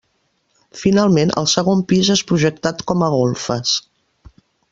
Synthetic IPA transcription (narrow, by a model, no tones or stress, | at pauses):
finalˠmenʔə̰lˠsəɣ̞ompizespɾuʒək̚t̪at̪kɔməɣolˠfəs